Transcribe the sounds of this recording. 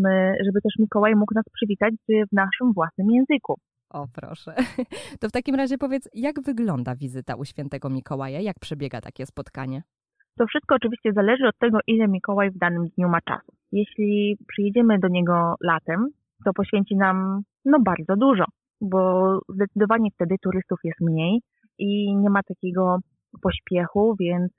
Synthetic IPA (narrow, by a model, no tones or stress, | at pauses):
mɘʐɛbɘt̪ɛʂmʲikɔwajmuknaspʂɘvʲit̪at͡ɕvnaʂɘmvwasnɘmjɛ̃w̃zɘku | ɔpɾɔ̰ʂɛt̪ɔft̪akʲimɾaʑɛpɔvʲjɛt̪sjaɡvɘɡlɔnd̪avʲizɘt̪a̰ʔuɕfʲjɛnt̪ɛɡɔmʲikɔwajajak̚pʂɛbʲjɛɡa̰t̪a̰kʲɛspɔt̪ka̰ɲɛ | t̪ɔfʂɘst̪̚kɔːt͡ʂɘvʲiɕt͡ɕɛzalɛʐɘɔt̪̚ːɛɡɔʔilɛmʲikɔwajvd̪anɘmd̪ɲumat͡ʂa̰su̥ | jɛɕlʲipʂɘjɛd͡ʑɛmɘd̪ɔɲɛɡɔlat̪ɛm | t̪ɔpɔɕfʲeɲt͡ɕinam | nɔbaɾd̪zɔd̪uʐɔ | bɔzd̪ɛt̪sɨd̪ɔvaɲɛft̪ɛd̪ɘt̪uɾɘst̪ufjɛst̪mɲej | ʔiɲɛmat̪akʲɛɡɔ | pɔɕpʲjɛxuvʲjɛnt̪s